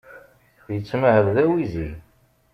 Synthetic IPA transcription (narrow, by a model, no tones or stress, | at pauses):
jət͡sːməhəɾðæwizi